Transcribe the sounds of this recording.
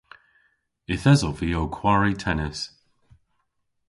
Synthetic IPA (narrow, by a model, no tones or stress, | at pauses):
ɪθɛzɔviːowkʰw̥aɹitʰɛnɪs